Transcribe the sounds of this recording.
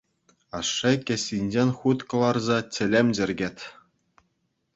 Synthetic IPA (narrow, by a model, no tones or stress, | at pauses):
ɑʂːekʲɘ̆sʲːinʲd͡ʑenʲχut̪kɤ̆lˠɑrzɑt͡ɕʲɘ̆lʲemʲd͡ʑɘ̆rʲɡʲetʲ